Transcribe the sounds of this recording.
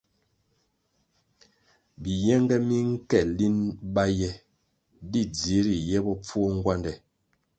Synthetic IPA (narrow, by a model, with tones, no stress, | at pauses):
bi˨jɛ˦ŋɡɛ˦mi˦ŋ̩˦kɛ˨li˦nba˦jɛ˦ | di˦˨d͡zi˨˦ɾi˨jɛ˦bɔ˦p͡fu˦ɔ˦ŋ̩˦ɡwa˦ndɛ˨